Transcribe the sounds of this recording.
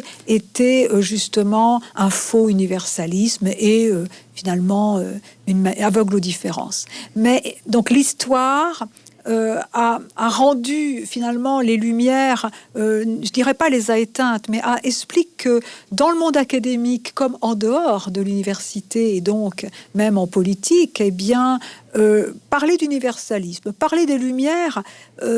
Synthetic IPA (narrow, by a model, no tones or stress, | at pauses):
et̪ɛøʒyst̪əmɑ̃ɛ̃foynivɛʁsalismeøfinalmɑ̃øynmaavɔɡlod̪ifeʁɑ̰̃smɛd̪ɔ̃klist̪waʁ | øaaʁɑ̃d̪yfinalmɑ̃lelymjɛʁøʒəd̪iʁɛpalezaet̪ɛ̃t̪mɛʔaʔɛksplikʰːəd̪ɑ̃ləmɔ̃d̪akad̪emikːɔmɑ̃d̪əɔʁd̪əlynivɛʁsit̪eːd̪ɔ̃kmɛmɑ̃pɔlit̪ʰikebjɛ̃øpaʁled̪ynivɛʁsalismpaʁled̪elymjɛːʁø